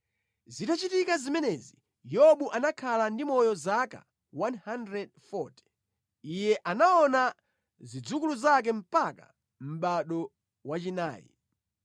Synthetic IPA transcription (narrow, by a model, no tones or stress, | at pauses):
zitat͡ʃitikazimɛnɛzi | jɔɓuʔanakʰalandimɔjɔzaka̰ | wanhandɾɛdfɔti̥ | ijɛʔanaɔna | zid͡zukuluzak̬ɛm̩paka̰ | m̩ɓaɗɔ | wat͡ʃina̰ːjḭ